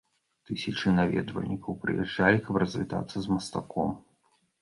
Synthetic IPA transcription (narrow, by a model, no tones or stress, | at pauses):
t̪ɨsʲɐt͡ʂɨnavʲɛ̰d̪vɐ̰lʲnʲikʰɐwpɾɨ̰jɛ̰ʐːalʲikɐprɐzʲvʲit̪a̰t̪sːɐzmɐst̪akɔm